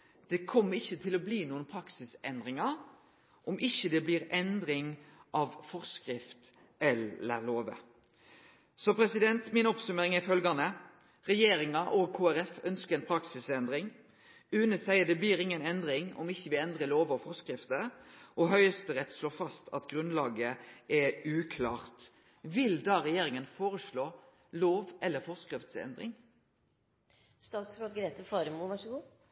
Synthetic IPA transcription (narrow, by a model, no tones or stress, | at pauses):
d̪̥ɛkʰɔmːəɪçːət̪ʰɪlɔbliːnuːənpʰɾɑksɪsɛnd̪ʁɪŋɑɾ | ʔɔmʔɪçːəd̪ɛbliːɾɛnd̪ɾɪŋʔɑʋfɔʁskɾɪft̪ | ɛlːə̰ɾloːʋə̰ | sɔpʰɾɛsɪd̪ɛnt̪mɪnɔpsʉmeːɾɪŋæfœlɡɑnə | ʁɛjeːɾɪŋɑʔɔɡ̚kʰoːæɾɛfœnskəɾɛnpʰɾɑksɪsɛnd̪ɾɪŋ | ʉːnəsæɪəd̪ɛbliːɾɪŋːənɛnd̪ʁɪŋɔ̰mɪçːəʋɪɛnd̪ʁəloːʋɔfɔʁskʁɪft̪əʔɔɦœʏəst̪əʁɛt̪ːsloːfɑst̪ʰɑ̰t̪ɡʁʉnlɑːɡəʔɛʉːkʰlɑːʁt̪ | ʋɪld̪ɑːʁɛjeːɾɪŋənfoːʁəsɭoː | loːʋʔɛlːəfɔʁskʁɪft̪sɛ̰nd̪ʁɪ̰ŋ | st̪ɑːt̪sɾoːd̪ɡɾeːt̪əfɑːɾəmuːʋæʂəɡuː